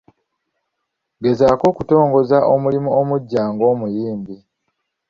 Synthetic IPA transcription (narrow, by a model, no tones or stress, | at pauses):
ɡe̞zaːko̞ːkuto̞ːŋɡo̞zaʔomulimuomuɟːaːŋɡo̞ːmujiːmbi